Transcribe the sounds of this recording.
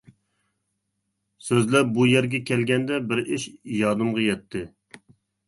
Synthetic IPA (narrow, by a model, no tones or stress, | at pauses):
søzlæbujɛɾɡʲɛkʲʰɛlɡʲɛnd̪ɛbɪɾɪʃjɑːd̪ɨmʁɑjɛt̪ʰːɪ